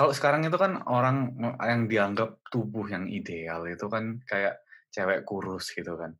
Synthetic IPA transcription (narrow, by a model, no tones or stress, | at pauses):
kalosə̥kaɾaŋit̪̬ukanoɾaŋjaŋdiaŋɡap̚t̪ubʊhjaŋḭdealit̪ukankajaʔt͡ʃewɛʔkuɾʊsɡ̥it̪ukan